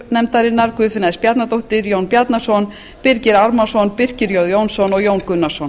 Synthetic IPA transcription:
nɛmt̪aɾɪnːaɾ̥kvʏːðfɪnaðɪspjat̪nat̪owht̪ɪɾjownpjat̪nḁsɔn | pɪɾcɪɾaɾmasɔnpɪr̥cɪɾjowðjownsɔnɔɣjownkʏnːasɔn

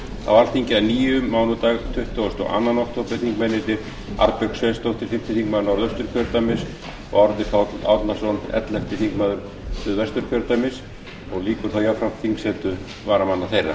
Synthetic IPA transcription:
θa̰wvaɾθiɲcɪaniːjʏmːaːwnʏt̪aːɣt̪ʰʏht̪ɔɔst̪ɔ̰ɣʔa̰nːanɔkt̪ʰɔplɪθiŋkmɛnːɪt̪ɪɾ | a̰ɾpɛksvest̪owht̪ɪɾ̥fɪm̥t̪ɪθiŋkmaːðʏnawɾðœst̪ʏɾ̥kʰœɾt̪amɪs | ɔ̰ɣɔɾðɪfawt̪lat̪nḁsɔnɛ̰t̪l̥ɛft̪ɪθiŋkmaːðʏɾ | ʏðvɛst̪ʏɾ̥kʰœɾt̪amɪs | ɔɣliːkʏɾ̥θawjawfɾamθiŋksɛːt̪ʏ | vaːɾamanːaθejrːa̰

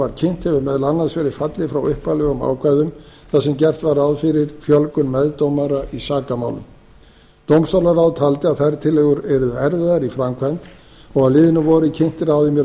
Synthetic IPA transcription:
aɾ̥cʰɪn̥t̪hɛvʏɾmɛðlanːasvɛɾɪfat̪lɪfɾawʏhpalɛɣʏma̰ːwkʰvajðʏmθaðsɛmcɛr̥t̪vaɾawðfɪɾɪɾfjœlkʏnmɛðt̪owmaɾaʔisaːkama̰wlʏ̰m | t̪owmst̪owlaɾawðt̪ʰalt̪ɪaðθajɾt̪ʰɪlːɛɣʏɾɛɾʏðʏɛɾvɪðaɾifɾamkʰvant̪ | ɔɣaðlɪːðɪnʏvɔɾɪcʰɪn̥t̪ɪɾawðɪmjɛ

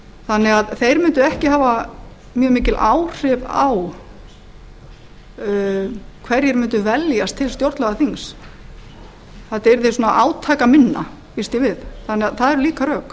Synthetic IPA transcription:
θanːɛɣaðθejɾmʏnt̪ʏɛhcɪhaːva | mjœːmɪːcɪlʔaːwr̥ɪpaw | kʰvɛɾjɛɾmʏnt̪ʏvɛljast̪ʰːɪlst̪jowɾt̪lɛɣaθiŋs | θɛt̪ɛɾθesuːnaʔaːwt̪ʰaːkamɪnːa̰ | fist̪jɪvɪðθanːɛaðθaðɛɾʏliːkarœːk

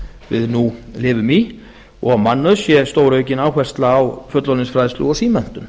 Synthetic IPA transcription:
vɪ̰ðnulɪːvʏmi | ɔɣamanːʏðsjɛst̪oːwɾœɥcɪnaːwhvɛr̥st̪laːwfœt̪lɔnɪnsfɾajðslʏ̰ɣɔsiːmɛn̥t̪ʏm

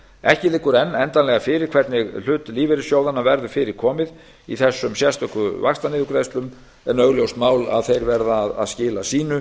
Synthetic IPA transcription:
ɛhcɪlɪkʏɾɛnːɛnt̪anlɛɣafɪɾɪɾ̥kʰvɛt̪nɪɣl̥ʏːt̪liːvɛɾɪsjowðanːavɛɾðʏfɪɾɪɾ̥kʰɔːmɪð | ḭθɛsːʏmsjɛst̪œhkʏvaxst̪anɪðʏkɾɛjst̪lʏm | ɛnœɣljowst̪maːwla̰ðθejɾvɛɾðaːða̰ðscɪːlasiːnʏ

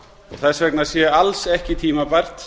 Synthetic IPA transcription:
ɔθasvɛknasjɛalsɛhcɪt̪ʰiːmapajr̥t̪

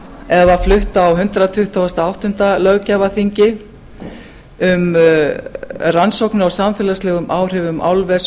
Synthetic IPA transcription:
ɛvaflʏht̪awɦʏnt̪ɾat̪ʰʏht̪ʰɔwɛst̪aawht̪ʏnt̪alœɣcaːvaθiɲcɪ | ʏm | ransowknʏawsamfɛːlaslɛːɣʏmʔaːwr̥ɪvʏmʔa̰wlvɛs

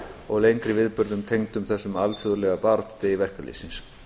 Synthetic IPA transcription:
ɔɣlejŋkɾɪvɪðpʏɾðʏmt̪ʰejŋt̪ʏmθɛsːʏmalfjɔðɾlɛɣapaːɾɔt̪t̪ɪivɛr̥kalḭsins

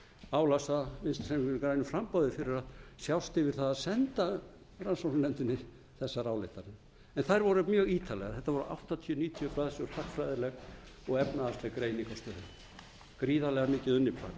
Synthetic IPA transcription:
aːwlasamɪnst̪sɛmkɾajnʏfɾampawðɪfɪɾɪɾaðsjawst̪ɪvɪɾ̥θaðaðsɛnt̪a | ransawsnɛnt̪ɪnːɪ | θɛsːaɾaːwlḛht̪anɪ | ɛnθajɾvɔɾʏmjœːɣiːt̪ʰalɛ̰ɣaθɛht̪ːavɔɾʏʔa̰wht̪at̪ʰiʏniːt̪ʰiʏpaːðsɔɾhaxkfɾajðɪɾlɛɣɔɣɛpnaðast̪lɛkɾejnikɔst̪œðɪn | kɾiːðalɛɣamɪːcɪðʏnːɪpɾa̰ːk

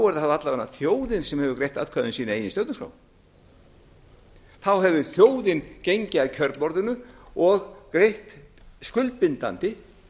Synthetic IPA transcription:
wɛɾðahavat̪lavanːaθjoːwðɪnsɛmhɛvʏkɾejht̪a̰ðkʰaðʏnsiːnaejɪnst̪œːwt̪ʏskɾa̰w | θawɦɛvʏθjoːwðɪncejɲcɪaðcʰœɾpmɔɾðʏnʏɔɣkɾejht̪ | skʏlpɪnt̪a̰nt̪ɪ

